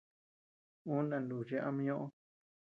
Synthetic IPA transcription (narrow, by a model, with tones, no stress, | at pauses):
ũ˦nã˨˧nlu˨ʐe˧˦a˦mĩ˦ɲõ˦ʔõ˦